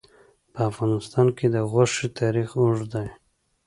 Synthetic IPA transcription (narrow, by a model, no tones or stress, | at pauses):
pəafɣɑnɪst̪ɑnked̪əɣoʂit̪ʰɑɾixuʐd̪aj